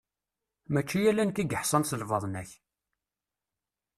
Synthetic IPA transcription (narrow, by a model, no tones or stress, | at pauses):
mæt͡ʃːijælænkiɡəħsˤənsəlvɑðˤnæç